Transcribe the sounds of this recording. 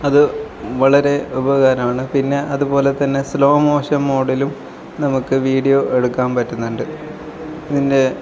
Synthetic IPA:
ɐðɨ | ʋɐɭɐɾe̞ubɐɣaːɾɐmaːɳɨpinːe̞ʔɐðubo̞ːle̞t̪ɐnːe̞slo̞ːmoːɕɐmːoːɽilum | nɐmukːɨʋiːɽijoʔeɽukːaːmpɐtːunːuɳɖɨ | ɐðinde̞

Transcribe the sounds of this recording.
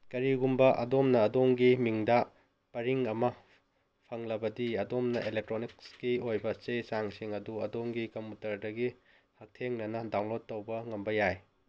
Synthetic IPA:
kɐɾiɡumbɐʔɐ̰domnɐːdoŋɡimiŋdɐ | pɐɾiŋɐmɐ | pʰɐŋlɐbɐdiɐdomnɐʔelek̚tɾonikskiojbɐt͡ʃesaŋsiŋɐduɐdoŋɡikɐmutɐɾdɐɡi | hɐk̚tʰeŋnɐnɐdaŋlotːɐwbɐŋɐmbɐjaj

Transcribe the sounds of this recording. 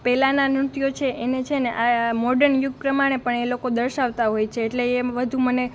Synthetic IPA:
pɛlananɾʊt̪jot͡ʃʰeʔenet͡ʃʰeneʔamɔɖəɾɳjuɡ̚pɾəmaɽ̃epəɳelokod̪əɾʃaʋt̪aɦojt͡ʃʰeːʈleːʋəd̪ʱuməne

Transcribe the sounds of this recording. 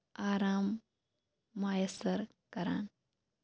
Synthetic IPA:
aːɾaːmː | aːjəsɐɾ | kɐɾa̰ːn

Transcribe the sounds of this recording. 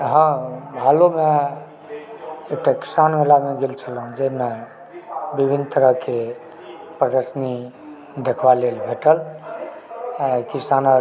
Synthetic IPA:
ɦə̃bʱalome | ek̚ʈaki̥sanmelaɡẽɡelt͡ʃʰəlɦũd͡ʒəɦime | bibʱinːt̪əɾəɦke | pɾəd̪əɾsni | d̪ekʰʋalelbʱeʈəl | akisanə

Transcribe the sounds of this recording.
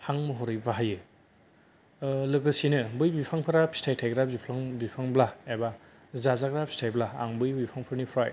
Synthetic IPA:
haŋmɯɦɔɾɯjbaɦajɯ | lɯkɯsinɯbɯjbipʰaŋpʰɯɾapʰi̥stʰajtʰajɡɾabipʰaŋbipʰaŋblaeba | zazakɾapʰi̥stʰajbla̰ːŋbɯjbipʰaŋpʰɯɾnipʰɾaj

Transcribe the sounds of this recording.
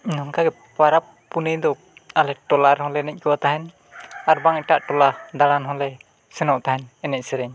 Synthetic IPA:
inɔŋkaɡɛ | paɾapː | unɛjd̪ɔkalɛʈɔlaɾhɔlɛnɛc̚ˀkɛwat̪aɦɛn | aɾbaŋɛʈaʔʈɔlad̪aɽanɦɔlɛ | sɛnɔʔt̪ahɛnɛnɛc̚sɛɾɛɲ

